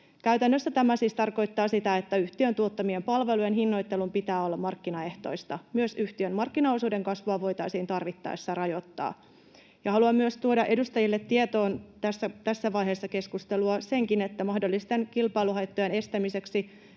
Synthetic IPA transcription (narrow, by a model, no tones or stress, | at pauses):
kæɥt̪ænːøsːæt̪æmæsiːst̪ɑrko̞jt̪ːɑːsit̪æe̞t̪ːæyht̪iønt̪uo̞t̪ːɑmiempɑlʋe̞lujenɦinːo̞jt̪ːe̞lumpit̪æːo̞lːɑmɑrkːinɑe̞ht̪o̞̰ist̪ɑmyøsyht̪iømmɑrkːinɑoːsuːde̞ŋkɑsʋuɑʋo̞jt̪ɑisiːnt̪ɑrʋit̪ːɑ̰ːesːærɑjo̞t̪ːɑ̰ː | jɑhɑluɑmːyøst̪uodɑʔedust̪ɑjilːet̪ːiet̪o̞ːnt̪æsːæt̪æsːæʋɑjɦeːsːɑke̞skust̪e̞luɑse̞ŋkine̞t̪ːæmɑhdo̞lːist̪enkilpɑjluɦɑjt̪ːojene̞st̪æmise̞ksi